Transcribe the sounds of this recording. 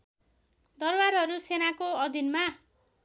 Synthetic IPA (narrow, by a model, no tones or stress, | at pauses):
d̪ʌrbarɦʌɾusenakoʌd̪ʱinma